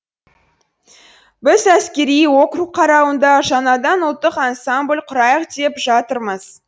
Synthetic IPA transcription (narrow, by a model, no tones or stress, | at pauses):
bɪzæskʲe̞ɾijwo̞qruqʰːɑɾɑwənd̪ɑʒɑnɑd̪ɑnʊlˠt̪ːəqɑnsamblʲqʰʊɾɑjəqd̪e̞pʒɑt̪əɾməz̥